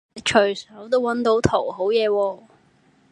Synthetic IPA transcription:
t͡ʃʰɵ˨˩ɥsœː˨˥ŋt̪̬o˥wɐ˨˥nt̪o˨˥wt̪ʰo˨˩wɦo˨˥wjɛː˨˧wɔː˧

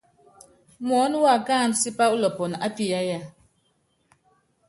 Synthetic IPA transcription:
mɔ˨˦n˦wa˦˨kaː˦˨n˦si˦pa˦u˦lɔ˨pɔ˨na̰˦pi˦a˦ja˦˨

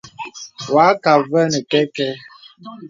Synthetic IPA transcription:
wa˨˦ka˨və˦ne˨kɛ˦kɛ˦

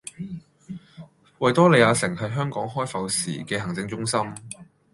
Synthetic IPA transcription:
wɐ˨jt̪ɔː˥le˨˧jaː˧sɪ˨˩ŋhɐ˨jɦœː˥ŋkɔː˨˥ŋɦɔː˥jfɐ˨˧wsḭː˨˩kɛː˧hɐ˨˩ŋt͡sɪ˧ŋt͡sʊ˥ŋsɐ˥m

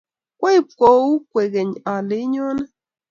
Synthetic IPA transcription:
kwa˦i˦˨pko˨˦u˦kʷe˨ɣe˨ɲa˨lɪ˨˦ɲɔ˦nɛ˦

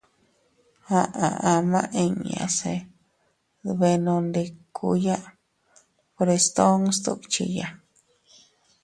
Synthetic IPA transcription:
hã˧ʔã˧ʔã˧mã˦ʔe˧ɲã̰˧˨se˧ | βe˧nõ˧nd̪e˧kʰu˧jã˦ʔ | po˧ɾe˧st̪o˦ŋst̪u˦t͡ʃḭ˧ja˧

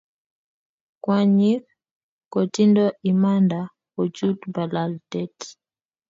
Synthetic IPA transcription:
kwa˨ɲi˦k | kɔ˨ti˦ndɔ˦ʔi˨ma˦nda˨ | ɔ˨t͡ʃu˦tba˨la˨ltɛ˦t

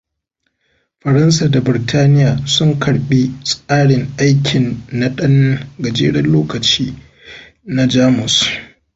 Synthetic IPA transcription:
ɸɐ˨ɾɐ˦nsaː˨da˨bɪ˨ɾtʰaː˦nɪ˦jaː˨sʊ˦ŋkʰɐ˨ɽɓi˦sʼaː˦ɽɪ˨ŋʔa˦jkʲʰɪ˨nːa˦ɗɐ˦ŋ˦ɡɐ˨d͡ʒḛː˦ɽɐ˦nloː˦kɐ˨t͡ʃiː˦ | na˦d͡ʒaː˦mʊ˨s

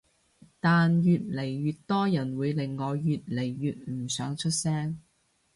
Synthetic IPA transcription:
t̪aː˨njyː˨t̚le˨˩jɥyː˨˧t̚t̪ːɔː˥jɐ˨˩nwuː˨˧jlɪ˨˩ŋːɔː˨˧jyː˨t̚le˨˩jːyː˨t̚m̩˨˩sœː˨˥ŋt͡ʃʰɵ˥t̚sɛː˥ŋ

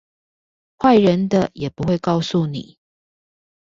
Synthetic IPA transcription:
xwa˥˨ɪɻə˨˦nd̪ə˨jɛ˨˩pu˨˦we˥˧ɪkɑ˥˧ʊsu˥˨nḭ˨˩˦

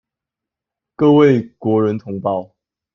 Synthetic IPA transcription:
kɤ˥˧we˥˨ɪkwɔ˨˧˥ɻə˨˦nt̪ʰʊ˧˥ŋpɑ˥˨ʊ

